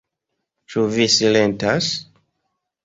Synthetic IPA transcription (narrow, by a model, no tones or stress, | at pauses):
t͡ʃuvisilẽntas